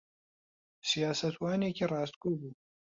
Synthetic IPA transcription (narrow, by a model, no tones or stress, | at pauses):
sijaːsɐt̪waːneːkiːrɑːst̪kuːbuː